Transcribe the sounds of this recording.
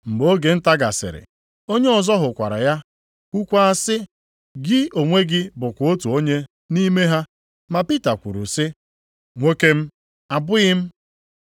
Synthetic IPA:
ŋ͡m̩˨ɡ͡bo˦ɡe˨n̩˦ta˦ɡa̰˨sɪ̰˨ɾɪ̰˨ | o˦ɲe˦ɔ˨zɔ˦ɦʊ˨kʷa̰˨ɾa̰˨ja˦ | kʷu˦kʷa˦a˦sɪ˦ | ɡɪ˦o˨ŋʷe˦ɡɪ˦bʊ˨kʷʊ˨o˦tu˨o˦ɲe˦ | ni˦me˦ɦa˦ | ma˨pi˦ta˨kʷṵ˨ɾṵ˨sɪ˦ | ŋʷe˦ke˦m̩˦ | a˨bʊ˦jɪ˦m̩˦

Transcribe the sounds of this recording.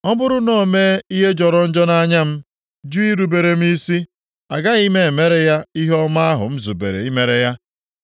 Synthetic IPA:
ɔ˦bʊ˦ɾʊ˦no˦˨me˦i˦ɦe˦d͡ʒɔ˨ɾɔ˨n̩˦d͡ʒɔ˦na˦ɲa˦m̩˦ | d͡ʒu˦i˦ɾu˨be˨ɾe˨m̩˦i˦si˦ | a˨ɡa˦i˦me˦e˨me˦ɾe˦ja˦i˦ɦɔ˦ma˦a˦ɦʊ̰˨m̩˦zu˨bḛ˨ɾḛ˨i˦me˨ɾe˨ja˦

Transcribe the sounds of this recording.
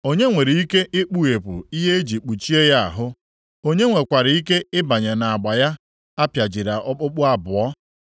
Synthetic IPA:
o˦ɲe˦ŋʷe˨ɾi˨i˦ke˦ʔɪ˦k͡pu˦e˨pʊ̰˨i˦ɦe˦e˦d͡ʒi˨k͡pu˨t͡ʃi˦e˦ja˦a̰˨ɦʊ˦ | o˦ɲe˦ŋʷe˨kʷa˨ɾɪ˨˦i˦ke˦ɪ˦ba˨ɲe˨na˨a˨ɡ͡ba˨ja˦ | a˦pja˨d͡ʒi˨ɾa˨ʔɔ˦k͡pʊ˦k͡pʊ˦a˦bʊ˨ɔ˦

